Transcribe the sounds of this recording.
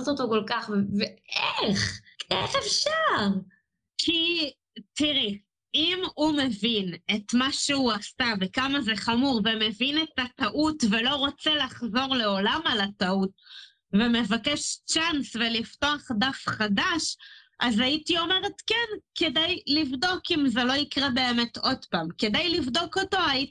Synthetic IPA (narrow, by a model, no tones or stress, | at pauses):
tot̪okolkaχvveeχeχefʃaʁ | kʰi | tiʁi | imume̞vine̞tmaʃeuastavekamazeχamuʁveme̞vine̞tataʔutve̞lo̞ʁot͡selaχzo̞ʁle̞o̞lamalataut̚ | veme̞vakeʃt͡ʃansvelifto̞aχdafχadaʃʔazaitio̞meʁetkeɛnke̞dajlivdo̞kimzelo̞ikʁebe̞ːme̞tʰo̞dpamke̞dajlivdo̞ko̞to̞aji